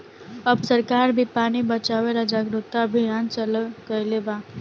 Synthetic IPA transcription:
əbsəɾkaːɾbʱipaːnibət͡ʃaːweɾad͡ʒaːɡɾʊt̪abʱijaːnt͡ʃələkəleːbaː

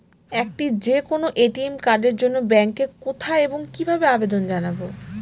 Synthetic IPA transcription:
ɛk̚ʈid͡ʑekonoʔeʈiemkaɾɖeɾd͡ʑonːobɛŋkekot̪ʰaeboŋkibʱabeabed̪ond͡ʑanabo

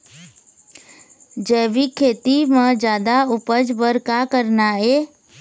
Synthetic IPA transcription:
d͡ʒɛːʋikʰeːt̪imãd͡ʒjaːd̪aʊpəd͡ʒbəɾkakəɾnaɦeː

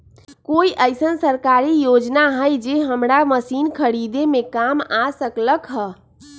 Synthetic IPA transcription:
koiʔəɪsənsəɾkaɾijod͡ʒnaɦəjd͡ʒeɦəmɾaməsinkʰəɾid̪emekamasəkləkɦə

